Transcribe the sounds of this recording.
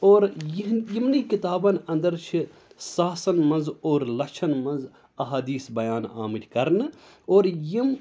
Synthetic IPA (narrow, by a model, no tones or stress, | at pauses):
oːɾjiɦjimnikit̪aːbɐnɐ̃nd̪ɐɾt͡ʃʰi | saːsɐnmɐnzoːɾlɐkt͡ʃʰɐnmɐnz | ɐɦaːd̪iːsbɐjaːna̰ːmɨʈʰʲkɐɾnɨ | oːɾjim